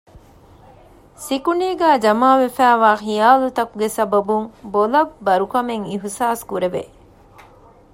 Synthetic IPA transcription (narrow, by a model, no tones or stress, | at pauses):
sikuniːɡæːd͡ʒɐmaːʋefæːʋaːxijaːlut̪ɐkuɡesɐbɐbuŋbolɐbːɐɾukɐmeŋiɦusaːskuɾeʋḛ